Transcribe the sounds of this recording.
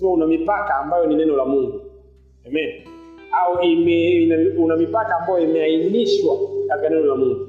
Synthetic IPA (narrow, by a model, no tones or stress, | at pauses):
maunamipakaːmbajɔninɛnɔlamuŋɡu | ɛmɛniaɔimɛunamipakaːmbajɔimɛainiʃwakatanɛnɔlamuŋɡu